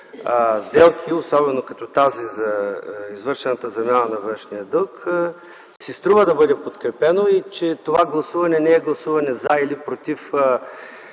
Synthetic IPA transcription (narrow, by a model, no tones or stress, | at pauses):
zd̪ɛlˠkʰʲiosɔbɛnokɐt̪ɔt̪azizɐizvɤɾʃɛnɐt̪əzɐmʲjanənɐvɤ̃nʃnijəd̪ɤlˠk | sist̪ɾuvəd̪ɐbɤd̪ɛpot̪kɾɛpɛnoit͡ʃɛt̪ovaɡlˠɐsuvɐnɛnɛɛɡlˠɐsuvɐnɛzɐilipɾot̪if